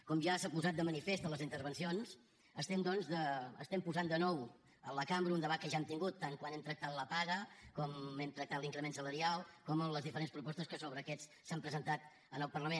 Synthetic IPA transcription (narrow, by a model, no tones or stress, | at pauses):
kɔmʒasakuzat̪̚d̪əmənifest̪ələzint̪əɾβ̞ənsions | əst̪ɛmd̪ɔnzðəə̰st̪ɛmpuzand̪ənɔw | ənləkambɾəund̪əβat̪̚kəʒaemt̪iŋɡut̪ːaŋkwanɛmt̪ɾək̚t̪at̪ləpaɣəkɔmɛmt̪ɾək̚t̪at̪liŋkɾəmensələɾialˠkɔmənləzðifəɾenspɾupɔst̪əskəsoβɾəːkɛt͡s | sampɾəzənt̪at̪ | ənəlˠpərləmen